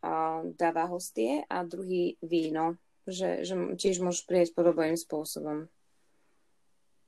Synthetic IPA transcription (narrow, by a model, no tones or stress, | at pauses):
d̪aːʋaɦɔst̪ɪɛʔad̪ɾuɦiːʋiːnɔ | ʒɛ̰ʒɛcɪɛʒmʊɔʒɛʃpɾijacpɔd̪ɔbniːmspʊɔsɔbɔm